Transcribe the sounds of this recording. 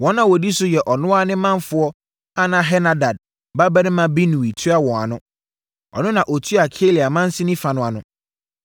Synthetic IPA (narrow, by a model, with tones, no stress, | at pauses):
wɔ̃˦nːã˨wɔ˨di˦sʊ˦jɛ˨ʔɔ˨nʊ̃˦a˦nɪ̃˦mã˦n˦fʊ˦ɔ˦ | a˦nã˨ɦɛ˦na˨da˨d̚ | ba˦bɛ˦nɪ̃˦mã˦bi˦nũ˨wi˨tʰu˦a˦wɔ̃˨a˨nʊ̃˦ | ɔ̰˨nʊ̃˦nã˨ʔɔ˨tʰu˦a˨kʰe˦li˨a˨mã˦n̩˦sɪ˦nĩ˦fa˨nʊ̃˨a˨nʊ̃˦